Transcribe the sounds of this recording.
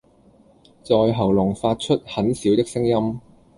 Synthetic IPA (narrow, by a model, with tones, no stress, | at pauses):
t͡sɔː˧jɦɐ˨˩wlʊ˨˩ŋfaː˧t̚t͡ʃʰɵ˥t̚hɐ˨˥nsiː˨˥wt̪ɪ˥k̚sɪ˥ŋjɐ˥m